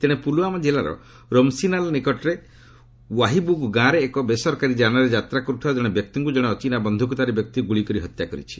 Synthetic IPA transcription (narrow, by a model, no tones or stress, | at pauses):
t̪eɽ̃epuluamad͡ʒelaɾɔ̰ | ɾɔmsinalɔnikɔʈɾe | waɦibuɡɡãɾeːkɔbesɔɾkaɾid͡ʒanaɾed͡ʒat̪ɾakɔɾut̪ʰiad͡ʒɔɽ̃ebjɔk̚t̪iŋkud͡ʒɔɽ̃eɔt͡ʃinabɔnd̪ʱuk̬ut̪aɾebjɔk̚t̪iɡuɭikɔɾiɦɔt̪jakɔɾḭt͡ʃʰi̥